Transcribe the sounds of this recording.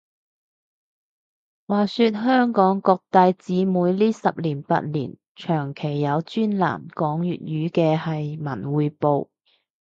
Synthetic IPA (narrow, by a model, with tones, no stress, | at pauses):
waː˨˩syː˧t̚ɦœː˥ŋkɔː˨˥ŋkɔː˧k̚t̪aː˧jt͡siː˨˥muː˨˧jliː˥sɐ˨p̚liː˨˩npa̰˧t̚lḭː˨˩n | t͡ʃʰœː˨˩ŋkʰe˨˩jːɐ˨˧wt͡ʃyː˥nla̰ː˨˩mkɔː˨˥ŋjyː˨t̚ɥyː˨˥kɛː˧hɐ˨jmɐ˨˩nwuː˨˧jpo˨w